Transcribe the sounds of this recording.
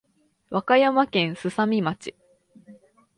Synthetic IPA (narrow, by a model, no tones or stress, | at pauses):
βakajamakẽ̞ɰ̃sɨsamʲimat͡ɕi̥